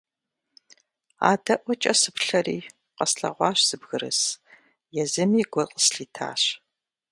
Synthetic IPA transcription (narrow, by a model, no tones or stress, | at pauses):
a̰ːdɐʔʷɔt͡ʃʼɐsɨpʰɬɐriː | qɐsɬɐ̰ʁʷɑːɕsɨbɣɨɾɨ̰s | jɛzɨmiːɡʷɔqʼəsɬiːtʰa̰ːɕ